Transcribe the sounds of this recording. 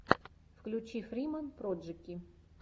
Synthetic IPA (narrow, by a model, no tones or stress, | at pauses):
fklʲʊt͡ɕifɾʲimənpɾodʐɨkʲi